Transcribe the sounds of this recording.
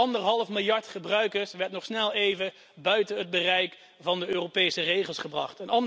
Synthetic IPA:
ɑndəɹɦɑlˠəfmɪlˠjɑɹtχəbrœɥkəɹsʋɛɹtnɔχsnɛlˠejvə | bœɥtəɦəd̚bərɛjk | vɑndəøːropejsərejχəlˠsχəbrɑ̰χtənɑn

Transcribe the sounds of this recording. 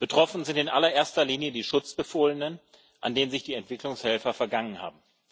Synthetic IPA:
b̥ətʁ̥ɔfn̩zɪntɪnʔalɐʔeːɐstɐliːnjədiːʃʊt͡sb̥əfoːlənən | ʔa̰ndeːnənzɪçd̥iːɛntv̥ɪklʊŋshɛlfɐfɛɐɡaŋənha̰ːb̚m̩

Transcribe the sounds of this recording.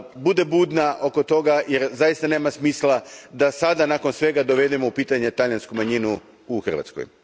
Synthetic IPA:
bud̪e̞buːd̪naʔo̞ko̞t̪o̞ɡaje̞ɾzajist̪ane̞ːmasmiːslˠad̪asad̪anaːkonsʋe̞ɡad̪o̞ʋe̞d̪emoupiːt̪aɲe̞t̪aʎjanskumaɲinu | uxr̩ʋa̰t̪sko̰j

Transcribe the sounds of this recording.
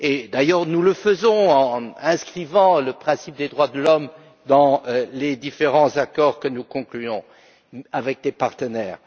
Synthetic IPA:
ed̪ajœʁnuləfəzɔ̃ɑ̃ɛ̃skχivɑ̃ləpχɛ̃sip̚d̪ed̪ʁwad̪əlɔm | d̪ɑ̃led̪ifeʁɑ̃zakɔʁkənukɔ̃klyɔ̃ | avɛk̚d̪epaʁt̪ənɛːʁ

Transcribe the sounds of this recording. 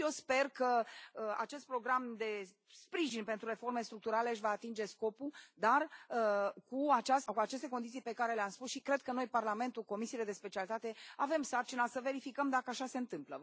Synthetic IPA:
jespe̞rkəəa̰t͡ʃe̞st̪̚pɾo̞ɡɾamd̪e̞ | spɾiʒinpe̞nt̪ɾuɾe̞fo̞rme̞st̪ɾuk̚t̪uɾale̞ɨʃ̬vaːt̪ind͡ʒe̞sko̞pud̪arəkuat͡ʃaskuat͡ʃe̞st̪e̞kond̪it̪sijpe̞kaɾe̞leamspusʃikɾe̞d̪̚kəno̞jparlame̞nt̪uko̞misiːle̞d̪e̞spet͡ʃialit̪at̪e̞ave̞msart͡ʃinasəve̞ɾifikəmd̪akəaʃase̞ɨnt̪ɨmplə

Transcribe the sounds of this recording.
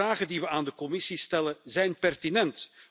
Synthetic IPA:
aːɣəndiʋəaːndəkɔmɪsistɛləzɛjnpɛrtinɛnt

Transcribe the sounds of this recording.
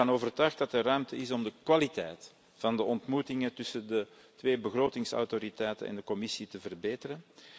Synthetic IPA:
ɑnoːvərtœɥx̚dɑtərœɥmtəɪsɔmdəkʋalitɛjt | fɑndəʔɔntmutɪŋətʏsəndə | tʋeːbəɣroːtɪŋsɔ̰wtoɾitɛjtə̰nɛ̰ndəkɔmɪsitəvərbeːtəɾən

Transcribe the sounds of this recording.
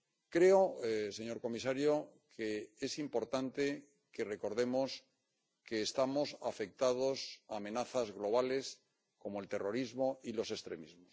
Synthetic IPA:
kɾe̞ose̞ɲo̞ɾko̞mis̬aɾjokʰeesimpo̞ɾt̪ant̪e̞ | ke̞re̞ko̞ɾð̞e̞mo̞s | ke̞ːst̪amo̞safe̞k̚t̪að̞o̞saːmẽ̞naθazɣlo̞β̞ale̞s | ko̞moelt̪e̞ro̞ɾizmo̞ilo̞se̞st̪ɾe̞mizmos

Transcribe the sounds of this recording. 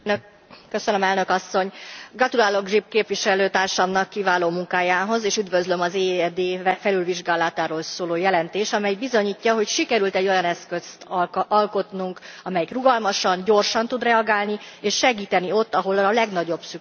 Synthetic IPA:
køsønømɛlnø̞kɒsːo̞ɲɡrɒt̪ulaːlo̞ɡʒip̚keːpʋiʃɛløːt̪aːrʃɒmnɒkːivaːloːmuŋkaːjaːɦo̞zeːʃyd̪ʋø̞zlø̞mɒzeːɛd̪eːfɛlylviʒɡaːlɑt̪aːɾoːlsoːloːjɛlɛnt̪eːʃɒmɛjbizo̞ɲiːcːɒɦo̞cʃikɛɾylt̪ɛɟːo̞jɒnɛskøst̪ɒlko̞t̪nuŋkɒmɛjikruɡɒlmɒʃɒnɟo̞rʃɒnt̪ud̪rɛɒɡaːlnieːʃːɛɡiːt̪ɛnio̞t̪ːɒɦo̞lɒlɛɡn̪ɒɟo̞bsy

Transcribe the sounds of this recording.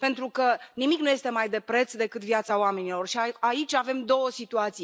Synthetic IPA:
pe̞nt̪ɾukənimiknuje̞st̪e̞majd̪e̞pɾe̞t̪sd̪e̞kɨt̪vjat̪saoame̞nilo̞rʃiaait͡ʃʲave̞md̪o̞wəsit̪uat̪si

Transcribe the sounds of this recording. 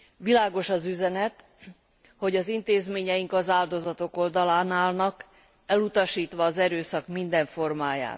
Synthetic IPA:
ʋilaːɡo̞ʃɒzyzɛnɛt̪ | ho̞ɟɒzint̪eːzmeːɲɛjiŋkɒzaːld̪o̞zɒt̪o̞ko̞ld̪ɒlaːnaːlnɒk | ɛlut̪ɒʃiːt̪ʋɒːzɛɾøːsɒkmind̪ɛɱfo̞rmaːja̰ːt̪

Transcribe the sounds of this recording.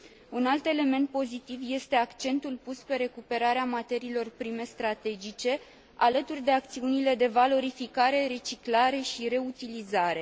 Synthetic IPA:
unalt̪e̞le̞me̞nt̪̚po̞zit̪ivje̞st̪e̞akt͡ʃe̞nt̪ulpuspe̞ɾe̞kupe̞ɾaɾeamat̪e̞ɾiːlo̞rpɾime̞st̪ɾat̪e̞d͡ʒit͡ʃe̞ | alət̪urʲd̪e̞ak̚t̪siunile̞d̪e̞valo̞ɾifikaɾe̞ɾe̞t͡ʃiklaɾe̞ʃiɾe̞ut̪ilizaɾe̞

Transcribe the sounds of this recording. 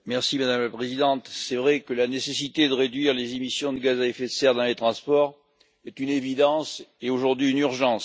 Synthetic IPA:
mɛʁsimad̪amlapχezid̪ɑ̃t̪sɛvʁɛkəlanesesit̪ed̪əʁed̪ɥiʁlezemisjɔ̃d̪əɡazaɛfet̪sɛʁd̪ɑ̃let̪χɑ̃spɔʁ | ɛt̪ynevid̪ɑ̃seoʒuʁd̪ɥiynyʁʒɑ̃s

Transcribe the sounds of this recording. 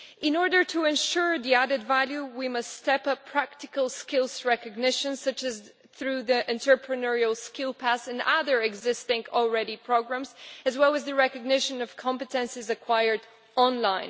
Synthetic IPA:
ɨ̃nɔɹdə˞ɾʰəɨ̃nʃʊɹðiæɾɨdvælˠjʉwimʌstːtɛpʌpʰɹ̥æk̚tɨkəl̩ˠskɪlˠsɹɛkɨɡ̚nɪʃɨ̃nsʌt͡ʃɨz | θɹʉðiʔɛ̃ntʰə˞pʰɹɨnɛɹil̩ˠskɪlˠpʰæsɨ̃nʌ̰ðə˞ɨɡzɪstɪ̃ŋɔl̩ˠɹɛɾipʰɹ̥oɡɹæ̃mzɨzwɛlˠəzðɨɹɛkɨɡ̚nɪʃɨ̃nʌv̥kʰɑ̃mpɨtʰɨ̃nsɨzɨkʰw̥aɪə˞d | ɑ̃nlãɪ̃n

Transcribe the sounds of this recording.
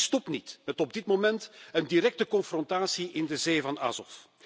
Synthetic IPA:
stɔpnitmɛtɔb̚dɪtmomɛntəndiɾɛk̚təkɔnfrɔntaːsiʔɪndəzeːvɑna̰ːzɔf

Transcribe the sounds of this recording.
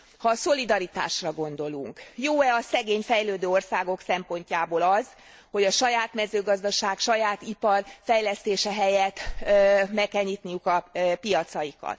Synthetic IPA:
hɒso̞lid̪ɒɾit̪a̰ːʃrɒɡo̞nd̪o̞luŋkjoːɛɒsɛɡeːɲfɛjløːd̪øːo̞rsaːɡo̞ksɛmpo̞ɲcaːboːlɒz | ho̞ɟɒʃɒjaːt̪mɛzøːɡɒzd̪ɒʃaːkʃɒjaːt̪ipɒrfɛjlɛst̪eːʃɛɦɛjɛt̪ | mɛkːɛlɲiːt̪nijukɒpijɒt̪sɒjikɒ̰t̪

